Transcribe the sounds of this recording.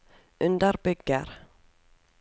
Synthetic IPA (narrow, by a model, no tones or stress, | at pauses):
ʔʉnd̪əɾbʏɡːəɾ